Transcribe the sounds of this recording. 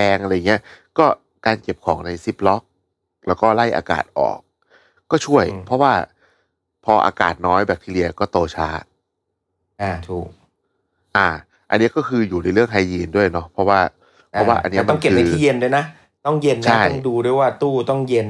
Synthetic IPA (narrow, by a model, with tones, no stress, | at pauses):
ɛː˧ŋʔa˧ɾa˧ja˨˩ŋːi˦˥ɐkɔː˥˩ | kaː˧nke˨˩p̚kʰɔː˩˦ŋna˧jsi˦˥˩p̚lɔ˦˥k̚ | lɛː˦˥wkɔː˥˩la˥˩jʔa̰ː˧ka̰ː˨˩t̪̚ʔɔ̰ː˨˩k̚ː | ɔː˥˩t͡ɕʰu˥˩əjpʰɔ˦˥waː˥˩ | pʰɔː˧ʔa̰ː˧ka̰ː˨˩t̪̚nɔː˦˥jbɛː˨˩p̚t̪ʰiː˧˩li˧ɐkɔː˥˩t̪oː˧t͡ɕʰaː˦˥ | ʔaː˧˩t̪ʰuː˨˩k̚ | ʔaː˧˩ | ʔa̰˧nːi˦˥ɐkɔː˥˩kʰɯː˧juː˨˩na˧jɾɯ˥˩əŋkʰa˧jːiː˧ndu˥˩əjnɔ˦˥pʰɔ˦˥waː˥˩ | pʰa˦˥waː˥˩ʔa̰˧nːi˦˥˦ɐ˩ma˧nke˨˩ɯːa˧t̪ʰːje˧ndu˥˩jna˦˥ | t̪ɔ˥˩ŋje˧nːt͡ɕʰa˦˥˩jɔ˥˩ŋduː˧du˥˩əjwaː˥˩t̪uː˥˩t̪ɔ˥˩ŋje˧n